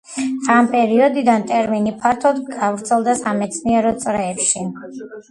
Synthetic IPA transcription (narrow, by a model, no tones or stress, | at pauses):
ampʼɛɾiɔd̪id̪ant̪ʼɛɾminipʰaɾt̪ʰɔd̪ɡavɾt̪sʰɛlˠd̪asamɛt̪sʰniɛɾɔt̪sʼɾɛːpʃi